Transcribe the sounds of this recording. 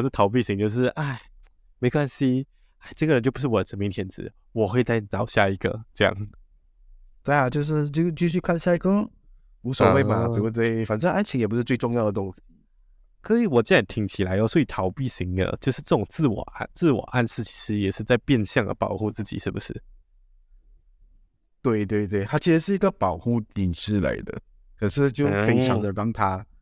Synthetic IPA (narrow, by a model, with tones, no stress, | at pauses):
ʂ̩˥˩t̪ʰɑ˧˥ʊp̬i˥˩ɕi˧˥ŋt͡ɕjo˥˧ʊʂ̬ɻ̩˥˩ʔa˥˩ɪ | me˧˥ɪkwa˥nɕi˥ | a˥˩ɪʈ͡ʂɡə˩ɻə˧˦nt͡ɕjpu˧˥ʂɻ̩˥˩wɔ˨˩ə˦ʈ͡ʂʰə˧˥mi˧˥ŋt̪ʰjɛ˧˥˦nt͡sɹ̩̰˧˦ | wɔ˨˩xwe˥˧ɪt͡sa˥˩ɪ˨nɑ˨˥ʊɕja̰˥˩i˧˥ɡə̰˧ʈ͡ʂɤ˥˧jɑ̰˥˩ŋ | t̪we˥˩ɪa˨˩t͡ɕjo˥˧ʊʂ̬ɻ̩˥˧t͡ɕo˥˧t͡ɕy˥˧ɕy˥˧kʰa˥˧nɕja˥˧i˥ɡə˥ | u˧˥sə˨we˥˩ɪma˨˩pi˨˩u˥˩t̪we˥˩ɪfa˨˩nʈ͡ʂə˥˦a˥nt͡ɕʰi˧˥ŋjpu˧˥ʂɻ̩˥˧we˥˧ɪʈ͡ʂʊ˥˧ŋjɑ˥˩ʊd̪ə˩t̪ʊ˥ŋɕi̥˨˩ | kʰɤ˧˥i˧˥wɔ˨˩t͡ɕjnjnt̪ʰi˧˥ŋt͡ɕʰi˨˩la˧˥ɪo˧˩swɔ˧˥i˨˩t̪ʰɑ˧˥ʊpi˥˩ɕi˧˥ŋd̪ə̰˧t͡ɕjo˥˧ʊʂɻ̩˥˧ʈ͡ʂɤ˥˩ʈ͡ʂʊ˨˩ŋt͡sɹ̩˥˩wɔ̰˨˩ʔa̰˥˧nt͡sɹ̩˥˩wɔ̰˨˩ʔa˥˧nʂɻ̩˥˩t͡ɕʰi̥˧˥ʂɻ̩˥jɛ˨˩ʂɻ̩˥˧t͡sa˥˧ɪpjɛ˥˧nɕjɑ˥˩ŋd̪ə̰˩pɑ˨˩ʊxu˥˧t͡sɹ̩˥˩t͡ɕḭ˨˩ʂɻ̩˥˩bu˨˩ʂɻ̩˥˩ | t̪we˥˩ɪt̪we˥˧ɪt̪we˥˩ɪt̪ʰa˥t͡ɕʰi˧˥ʂɻ̩˧˥ʂɻ̩˥˩i˧˥ɡə˧pɑ˨˩ʊxu˥˩t̪i˨˩nʂɻ̩˥˩la̰˧˥ɪd̪ə̰˨ | kʰɤ˨˩ʂɻ̩˥˩t͡ɕjo˥˩ʊfe˥ɪʈ͡ʂʰɑ˧˥ŋd̪ə˨ɾɑ˥ŋt̪ʰa˥